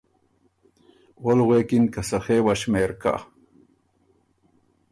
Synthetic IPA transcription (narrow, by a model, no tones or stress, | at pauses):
wolɣwekinkɐsɐxewaɕmeːɾka̰